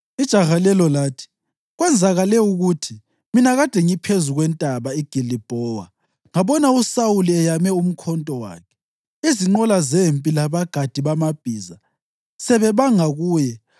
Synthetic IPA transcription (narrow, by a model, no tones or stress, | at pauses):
id̥ʒ̥ʱaɣalɛlɔlaːtʰi̥ | ɣwɛnd͡zʱaɣalɛuɣutʰi | minaɣad̥ʱɛŋipʰezuɣwɛntʼaβaiɡ̥ʱilib̥ʱɔːwa̰ | ŋaβɔnausauliɛjamɛum̩kʰɔntʼɔwa̰ːkʰɛ̥ | iziŋ͡ǃɔlazempʼilaβaɡ̥ʱad̥ʱiβamab̥ʱiːza | sɛβɛβaŋaɣuːjɛ